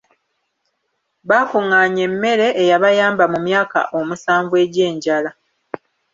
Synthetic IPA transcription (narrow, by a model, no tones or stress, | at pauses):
βaːkuŋaːɲe̞mːe̞ɾe̞ʔːjaβajaːmbamumjaːka̰ʔo̞musaːɱvwe̞ɟeːɲɟala